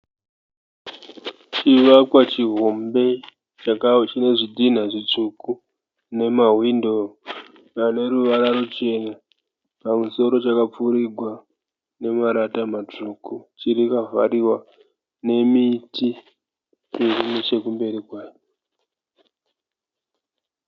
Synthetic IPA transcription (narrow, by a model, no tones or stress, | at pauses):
t͡ʃiʋakwat͡ʃiɦombe̞ | t͡ʃine̞ʐidʱin̤aʐit͡ʂuku | ne̞maɦwindo̞ | pane̞ɾuʋaɾaɾut͡ʃe̞na | pamuso̞ɾo̞t͡ʃakap͡fuɾiɡʱwa | ne̞maɾatamatukut͡ʃiɾikava̰ɾiwa | ne̞mitʰi | erinet͡ʃe̞kumbe̞ɾikwaːjo